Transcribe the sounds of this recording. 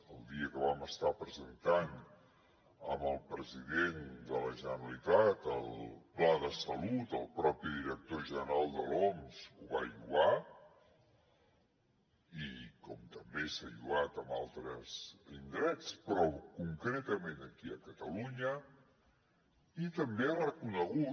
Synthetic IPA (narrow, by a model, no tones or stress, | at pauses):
əlˠd̪iəkəβaməst̪apɾəzənt̪an | ə̰məlˠpɾəziðend̪ələʒənəɾəlit̪at̪əlˠplaðəsəlut̪əlˠpɾɔpiðiɾək̚t̪oʒənəɾalˠd̪əlɔmz̥uβa̰ʎuɣa | ikɔmt̪əmbesaʎuat̪əmalˠt̪ɾəzind̪ɾɛt͡spɾɔkuŋkɾɛt̪əmenəkiəkət̪əluɲə | it̪əmbearəkunəɣu